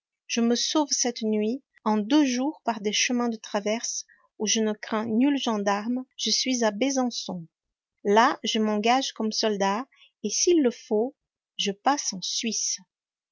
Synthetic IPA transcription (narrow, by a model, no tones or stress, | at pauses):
ʒ̥əməsovsɛt̪nɥi | ɑ̃d̪øʒuʁpaʁd̪eʃəmɛ̃d̪ət̪χavɛʁs | uʒənəkχɛ̃nylʒɑ̃d̪aʁmʒ̥əsɥizabezɑ̃sɔ̃ | laʒəmɑ̃ɡaʒkɔmsɔld̪a | esilːəfo | ʒəpasɑ̃sɥis